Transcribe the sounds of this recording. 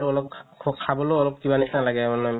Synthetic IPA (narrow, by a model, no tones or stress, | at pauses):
ɹuɔlɔkɔkʰabɔloɔlɔp̚kibanisnalaɡɛmanɔam